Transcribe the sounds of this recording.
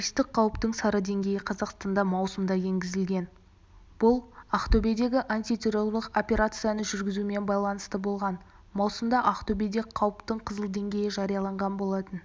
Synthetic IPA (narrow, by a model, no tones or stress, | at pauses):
ist̪ɪq̚qʰɑwəpt̪əɴsɑɾəd̪e̞ŋɡʲe̞jɪqʰɑzɑqst̪ɑnd̪ɑmɑwsəmd̪ɑje̞ŋɡʲɪzɪlɡʲe̞n | b̥ʊlˠaqt̪ɵbe̞d̪e̞ɡʲɪʔant̪it̪ʲʰe̞ɾo̞lˠəqo̞pʲe̞ɾat̪sɨjanəʒʏɾɡʲɪzuɪme̞nbɑjlˠɑnəst̪əbo̞lˠʁɑn | mɑwsəmd̪ɑʔɑqt̪obe̞d̪e̞qʰɑwəpt̪əɴqʰəzəlˠd̪e̞ŋɡʲe̞jɪʒɑɾijɑlˠɑɴʁɑnbo̞lˠɑt̪ən